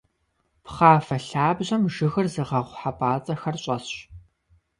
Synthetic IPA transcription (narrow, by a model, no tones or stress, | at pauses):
pχaːfɐɬaːbʑɐmʒɨɣɨrzɨʁɐʁʷħapʰʼaːt͡sʼɐxɐrɕʼɐsɕ